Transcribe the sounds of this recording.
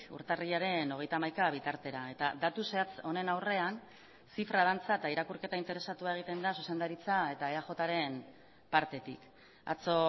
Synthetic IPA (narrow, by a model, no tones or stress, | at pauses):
ṵɾt̪ariʎaɾe̞no̞ɣ̞e̞jt̪amajkaβ̞it̪aɾt̪e̞ɾae̞t̪ad̪at̪useat͡so̞ne̞nawre̞an | sifɾað̞ant͡saet̪aiɾakurke̞t̪aint̪e̞ɾe̞sat̪uae̞ɣ̞it̪e̞nd̪asuse̞nd̪aɾit͡sae̞t̪aeaʝo̞t̪aɾe̞n | paɾt̪e̞t̪ḭk | a̰t͡so̞